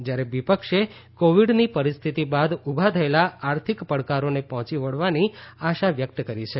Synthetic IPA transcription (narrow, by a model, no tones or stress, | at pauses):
d͡ʒjaɾeʋipəkʃe | koʋiɖnipəɾist̪ʰit̪ibad̪ubʱat̪ʰəelaaɾt̪ʰikpəɽkaɾonepɔɦɔ̃t͡ʃiʋəɭʋaniaʃaʋjək̚t̪kəɾit͡ʃʰe